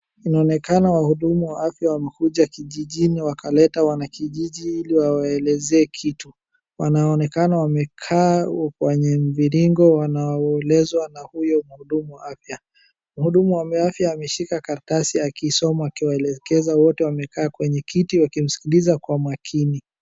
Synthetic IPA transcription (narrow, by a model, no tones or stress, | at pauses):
inaɔnɛkanawahuɗumuwaafjawamɛkuʄakiʄiʄiniwakalɛtawanakiʄiʄiiliwawaɛlɛzɛːkʰitu | wanaːnɛkanawamɛkʰaːkwɛɲɛm̩viɾiŋɡɔwanaɔɛlɛzwanahujɔm̩huɗumuwaafja | muhuɗumuwamɛafjaːmɛʃikakaɾtasiakiːsɔmaakiwaɛlɛkɛzawɔtɛwamɛkaːkwɛɲɛkʰitiwakim̩si̥kilizakwamwakʰini